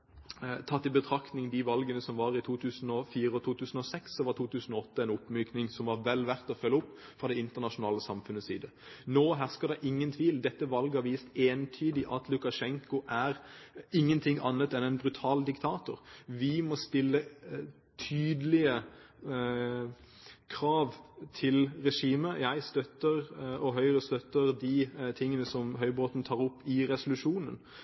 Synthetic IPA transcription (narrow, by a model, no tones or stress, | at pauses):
t̪ʰɑt̪ːɪbət̪ʰʁɑkt̪nɪŋd̪ɪʋɑlɡənəsɔmʋɑːʁɪt̪ʰuːt̪ʰʉːsnɔfiːʁəɔt̪ʰuːt̪ʰʉːsn̩ɔsɛksːɔʋɑʁt̪ʰuːt̪ʰʉːsn̩ɔɔt̪ːəɛɪnʊpːmyːknɪŋsɔmʋɑʁʋɛlːʋæʁt̪ɔfœlːəʊpː | fʁɑd̪ɛɪnt̪əʁnɑʂʊnɑːləsɑmfʉnːəsḭːd̪ə | noːɦæʁskəʁd̪ɛʔɪŋːənt̪ʰʋiːld̪ɛt̪ːəʋɑlɡəhɑʋiːst̪eːnt̪ʰyːd̪ɪʔɑt̪ʰlʉkɑʃɛŋkʊʔæʁɪŋːənt̪ʰɪŋʔɑ̰nːət̪ɛnɛɪnbʁʉt̪ʰɑːld̪ɪkt̪ʰɑːt̪ʊʁʋɪmɔst̪ɪlːə | t̪ʰyːd̪əlɪə | kʰʁɑːʋt̪ʰɪlɾɛʂiːməjæɪst̪œt̪ːəʁɔɦœʏʁəst̪œt̪ːəʁd̪ɪt̪ʰɪŋːənəsɔmɦœʏboːt̪n̩t̪ʰɑːʁʊpːɪʁɛsʊlʉʂuːnən